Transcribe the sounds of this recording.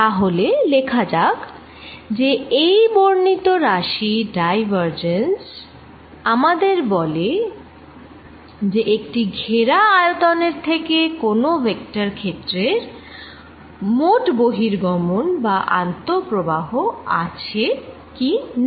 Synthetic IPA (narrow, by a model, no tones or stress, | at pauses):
t̪aɦolelekʰad͡ʑak | d͡ʑeejboɾnit̪oɾaʃiɖajbaɾd͡ʑens | amad̪eɾbɔle | d͡ʑeʔek̚ʈiɡʱeɾaajot̪oneɾt̪ʰekekonobek̚ʈaɾkʰet̪ːɾeɾ | moʈboɦiɾɡɔmonbaʔa̰nt̪opɾobaɦoa̰t͡ɕʰe | kin